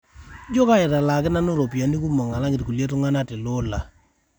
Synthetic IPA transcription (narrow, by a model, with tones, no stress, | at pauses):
d͡ʒo˦ka˦ɪ˨ta˨la˨kɪ˦na˦nʊ˦ɾo˨pja˨ni˦ku˦mɔ˨ŋa˨la˦ŋɡɪ˨tku˨lje˦tʊ˦ŋa˦na˦tɪ˨lʊ˦la˨